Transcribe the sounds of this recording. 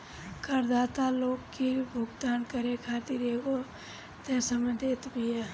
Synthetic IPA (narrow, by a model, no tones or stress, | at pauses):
kəɾd̪aːt̪aloːɡkibʱʊɡd̪aːnkəɾekʰaːt̪iːɾeɡo | t̪ẽsəməd̪ʱeːt̪bʱia